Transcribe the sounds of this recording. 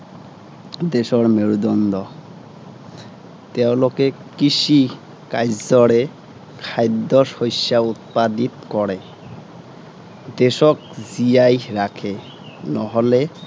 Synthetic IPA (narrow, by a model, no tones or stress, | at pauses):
d̪eʃɔɾmeɾud̪ɔnd̪ɔ | t̪ew̃lokekiʃi | kajzɔɾe | kʰajd̪ɔsojʃaut̪̚pad̪it̪kɔɾe | d̪eʃɔkziajɾakʰe | nɔɦole